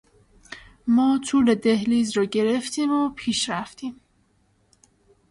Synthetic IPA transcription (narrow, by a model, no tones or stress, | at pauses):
mɒːt̪ʰuːle̞d̪ehliːzɾɒːɟe̞ɾeft̪ʰiːmopʰiːʃɾæft̪ʰiːm